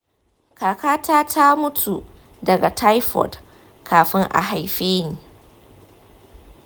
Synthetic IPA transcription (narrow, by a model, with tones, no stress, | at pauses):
kaː˨kaː˦taː˦tʰa˦mʊ˦tʰu˨ | dɐ˨ɡa˨tʰa˦jɸɔ̰˨d | kʰaː˨ɸɪ˦ŋʔa̰˨ɦa˨jɸeː˦niː˨